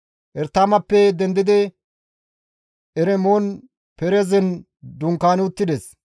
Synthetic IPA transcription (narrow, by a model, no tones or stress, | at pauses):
ʔɛɾt̪ːaːmɐpːɛd̪ɛnd̪ɪd̪ɪ | ʔɛɾɛmoːn | pɛɾezɛn | d̪ʊŋkːaːnɪʊt̪ːɪd̪ɛs